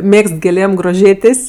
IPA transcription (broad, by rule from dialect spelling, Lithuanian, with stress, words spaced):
ˈmʲeːkst ɡʲeːˈlʲeːm ɡroːˈʒʲeːtʲeːsʲ